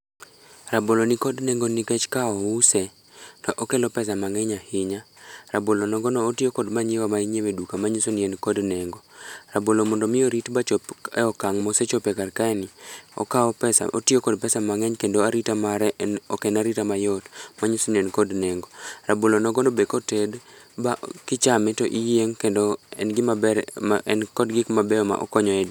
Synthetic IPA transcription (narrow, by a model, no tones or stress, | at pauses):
rabolonikɔdnɛŋɡonikɛt͡ʃkaɔusɛ | tɔʔokɛlɔpɛsamaŋɛɲahɪɲaɾabolonɔɡɔnɔːtɪokɔdmaɲewamaiɲemedukamaɲosonienkɔdnɛŋɡɔɾabolomɔndɔmɪoɾitbat͡ʃɔpɛɔkaŋmɔset͡ʃɔpɛkarkaɛniɔ̰kaɔpɛsa̰ʔo̰tiokɔdpɛsamaŋɛɲkendoaɾitamaɾɛnɔkɛnaɾitamajɔtmaɲisonienkodneŋɡoɾabolonɔɡɔnobekɔtɛd | bakɪt͡ʃamɛtoʔijeŋkendoɛ̰nɡɪa | ɛnkɔdɡɪkmabɛɔma̰ʔɔ̰kɔɲɔɛd